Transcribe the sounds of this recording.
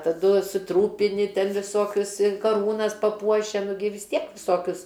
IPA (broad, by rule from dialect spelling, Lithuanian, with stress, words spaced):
tɐˈdʊ sʊˈtruːpʲɪnʲɪ ˈtʲɛn ʋʲɪˈsoːkʲʊs ɪ kɐˈruːnɐs pɐˈpuɔʃʲɛ nʊ ɡʲɪ ʋʲɪs ˈtʲiɛk ʋʲɪˈsoːkʲʊs